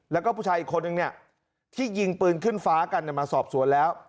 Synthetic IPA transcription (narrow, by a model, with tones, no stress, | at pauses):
lɛː˦˥wkɔ˥˩uː˥˩t͡ɕʰaː˧jʔiː˨˩kʰːo˧nːɯ˨˧ŋni˥˩ɐə | t̪ʰiː˥˩ji˧ŋpɯː˧nkʰɯ˥˩nfaː˦˥ka˧nːi˥˩jmaː˧sɔː˨˩p̚su˨˩˦nlɛː˦˥w